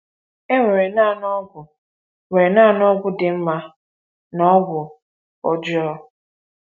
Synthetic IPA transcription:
e˦ŋʷe˨ɾe˨na˦˨nɔ˦ɡʷʊ˨ | we˨na˦˨nɔ˦ɡʷʊ˦dɪ˨m̩˦ma˦ | nɔ˦ɡʷʊ˨ | ɔ˦d͡ʒɪ˦ɔ˦˨

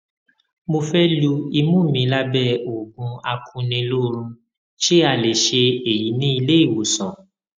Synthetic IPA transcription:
mo˧fɛ˦lu˧i˧mũ˦˨mĩ˨˧˦la˦bɛ˦˨o˨ɡũ˧a˧kʰũ˧nĩ˧lo˦ɾ̃ũ˧ | ʃe˦a˧˨le˨ʃe˧e˨ji˨˦nĩ˦i˧le˦i˦˨wo˨sɔ̃˨

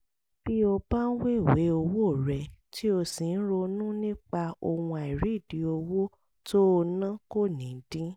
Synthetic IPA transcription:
b̥i˦o˧ba˦n̩˦we˦˨we˨˦o˧wo˦˨ɾɛ˨ti˦o˧si˨n̩˦ɾo˧nũ˦nĩ˦k͡pa˧o˧wũ˧a˨i˨ɾi˨˦˨di˨˦o˧wo˦ | to˦˧nã˦ko˦˨nĩ˨˦d̥ĩ˦

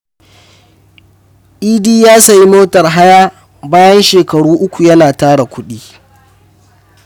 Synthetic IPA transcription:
ʔiː˦diː˦jaː˦sɐ˨ji˦moː˦tɐ˨rɦa˦jaː˦ | baː˦jɐ˦nʃeː˨kɐ˨ɽuː˦ʔʊ˦kʷu˨jɐ˦naː˨taː˦ɽa˨kʷʊ˦ɗiː˦

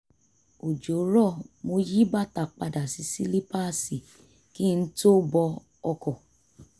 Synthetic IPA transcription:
o˨d͡ʒo˨˦ɾɔ˦˨mo˧ji˦ba˦˨ta˨k͡pa˧da˨si˧si˦li˦pa˦˨si˨ | ki˦˧n̩˦to˦bɔ˧ | ɔ˧kɔ˨

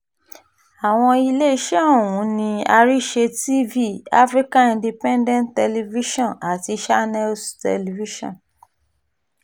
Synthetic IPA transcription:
a˨w̃ɔ̃˧i˧le˦i˦ʃe˦õ˦˨wũ˨˦nĩ˧a˧ɾi˦˨ʃe˧ti˦vi˦˨a̰˦fɾi˦ka˦ĩ˧ndi˧pɛ̃˦ndɛ̃˦nttɛ˧li˧vi˦ʃɔ̃˦˨na˨ti˧ʃa˦nɛ˦lstɛ̰˧li˧vi˦ʃɔ̰̃˦˨n

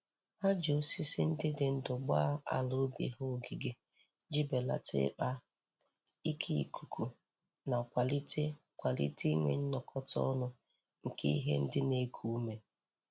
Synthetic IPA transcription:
ha˦d͡ʒo˨˦si˦sɪ̰˦n̩˦dɪ˦dɪ˨n̩˦dʊ˨ɡ͡ba˦a̰˨lo˦bḭ˨ɦʊ˦˨ɡi˨ɡe˨ | d͡ʒi˦be˨la̰˨tɪ̰˦k͡pa˦ | i˦kʰi˦ḭ˨kʰu˨kʰu˨ | na˨kʷa˨li˦te˦ | kʷa˨lḭ˦ti˦ŋʷḛ˨n̩˦nɔ˨kʰɔ˦tɔ̰˦nʊ˦ | ŋ̩˨kʰḛ˦i˦ɦḛ˦n̩˦dɪ˦ne˦kʰu˦u˦me˨

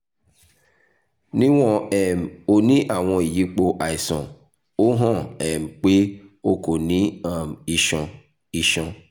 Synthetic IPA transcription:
nĩ˦w̃ɔ̃˦ɛ˨m˨o˦nĩ˦ʔa˦˨w̃ɔ̃˧i˨ji˦k͡po˧ʔa˨i˨sɔ̰̃˨ | o˦ɦɔ̃˦˨ɛ˨m̩˨k͡pe˦o˦ko˨nĩ˦a˦˨m˨i˦ʃɔ̃˧ | i˧ʃɔ̃˧

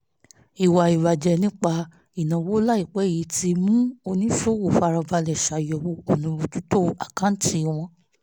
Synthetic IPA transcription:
i˨wa˨i˨βa˨d͡ʒɛ˧nĩ˦k͡pa˧ | i˨nã˨wo˦la˦i˦˨k͡pɛ˨˦˨ji˨˧˦ti˧mũ˦o˧nĩ˦fo˦wo˨fa˧ɾa˧va˧lɛ˨ʃa˨jɔ˨wo˧o˨nũ˧˨ɾũ˧tu˦to˦a˨kã˨˦n̩˦ti˧˦˧w̃ɔ̃˧

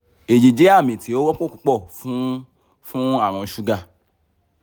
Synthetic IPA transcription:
e˨d͡ʒe˨d͡ʒe˨˦a˦˨mĩ˨tʰi˨˦o˦wɔ˦k͡põ˦˨ku˦k͡pɔ˦˨fũ˦ | fũ˦a˦˨w̃ɔ̃˨˧ʃu˧ɡa˦˨

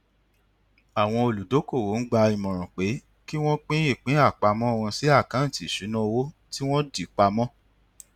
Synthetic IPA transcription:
a˨w̃ɔ̃˧o˨lu˨do˨˦ko˦˨wo˨˦n̩˦ɡ͡ba˧i˨mɔ̃˨ɾ̃ɔ̃˨k͡pe˨˦ | ki˦w̃ɔ̃˦k͡pĩ˦i˦˨k͡pĩ˨˦a˦˨k͡pa˧mɔ̃˦o˦˧wɔ̃˧si˨˦a˦˨kã˨˦n̩˦˨ti˨ʃu˨˦nũ˦˧wo˦ | ti˦w̃ɔ̃˦di˨k͡pa˧mɔ̃˦

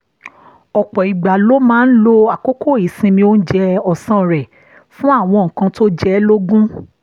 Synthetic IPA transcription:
ɔ˨k͡pɔ˨i˨ɡ͡ba˨lo˦mãː˦n̩˦lo˦a˨ko˦ko˦˨i˨sĩ˧mĩ˧o˦n̩˦d͡ʒɛ˧ɔ˨sã˦˨ɾɛ˨ | fũ˦a˦˨w̃ɔ̃˧ŋ̩˨kã˧to˦d͡ʒɛ˦lo˦ɡũ˦

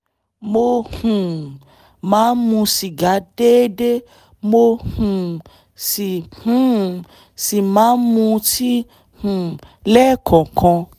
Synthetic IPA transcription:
mo˧hũ˨ | mãː˨˦mũ˧si˨ɡa˨˦de˦de˦ | mo˧hũ˨ | si˨hũ˨ | si˨mãː˨˦nmũ˧ti˦ | hũ˨ | lɛː˦˨kʰɔ̃˨kɔ̃˧

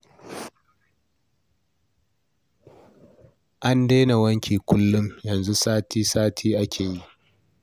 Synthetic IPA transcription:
ʔa˦ndeː˦na˨wɐ˦ŋkʲʰiː˨kʷʊ˦lːʊ˦mjɐ˨nzu˦saː˦tiː˦saː˦tʰiː˦ʔa˦kʲʰeː˨ji˦ʔ

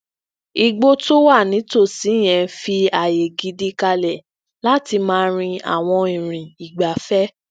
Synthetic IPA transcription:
i˨ɡ͡bo˧˦to˦wa˦˨nĩ˨˦to˦˨si˨˦˨j̃ɛ̃˧fi˧a˨je˨ɡi˨˦di˧ka˧lɛ˨ | la˦ti˧mãː˦ɾ̃ĩ˧a̰˦˨w̃ɔ̃˧ĩ˨ɾ̃ĩ˨i˨ɡ͡ba˨fɛ˦

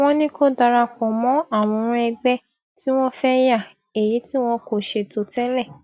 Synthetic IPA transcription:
w̃ɔ̃˧nĩ˦ko˦da˧ɾa˧kɔ̃˨mɔ̃˨˦a˦˨w̃ɔ̃˧ɾ̃ɛ˧ɡ͡bɛ˦ | ti˦w̃ɔ̃˦fɛ˦ja˦˨ | e˨ji˨˦ti˦w̃ɔ̃˦ko˧˨ʃe˧to˧tɛ˦lɛ˦˨

